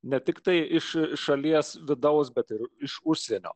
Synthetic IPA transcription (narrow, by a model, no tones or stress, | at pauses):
nʲɛt̪ʲɪkt̪ɐɪɪʃʃɐlʲiɛsʋʲɪd̪ɐʊsbʲɛt̪ɪɾɪʃʊʃʲsʲeɛnʲo̰ː